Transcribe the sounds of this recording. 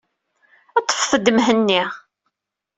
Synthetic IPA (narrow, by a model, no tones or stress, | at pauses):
ɑt̪ˤːə̥fθəd̪mɦənːi